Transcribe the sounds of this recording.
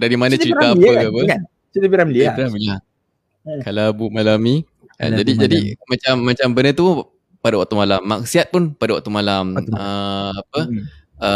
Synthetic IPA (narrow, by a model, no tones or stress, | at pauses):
daɾimanãt͡ʃəɾitɾaəapəan | t͡ʃədibiɾamliaɾamila | kalabumalami | a̰d͡ʒadid͡ʒadimat͡ʃamːat͡ʃambənət̪u | padawak̚t̪umalamːak̚siat̪̚pʊnpadawak̚t̪umalaməapə | ə